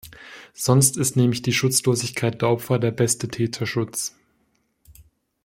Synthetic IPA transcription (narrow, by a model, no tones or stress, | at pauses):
z̥ɔnstɪstnɛːmlɪçd̥iːʃʊt͡sloːzɪçkʰaɪt̚d̥eːɐʔɔpfɐdeːɐbɛstətʰɛːtʰɐʃʊt͡s